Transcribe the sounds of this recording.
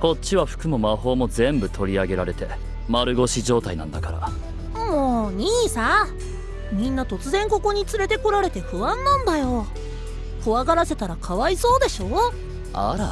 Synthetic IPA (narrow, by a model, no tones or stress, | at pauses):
ko̞tt͡ɕɕiβaɸɯ̟̥kɯ̟momaɦo̞ːmo̞zẽ̞mbɯ̟t̪ʰo̞ɾʲiaɡe̞ɾaɾe̞t̪e̞ | maɾɯ̟ɡo̞ɕiʑo̞ːt̪ainã̰nd̪akaɾa̰ | moːɲ̟iːsa | mʲĩnːat̪o̞t͡sɨzẽ̞ŋko̞ko̞ɲ̟it͡sɨɾe̞t̪e̞ko̞ɾaɾe̞t̪e̞ɸɯ̟βãnːãnd̪ajo̞ | koβaɡaɾase̞t̪aɾakʰaβaiso̞ːd̪e̞ɕo̞ː | a̰ɾa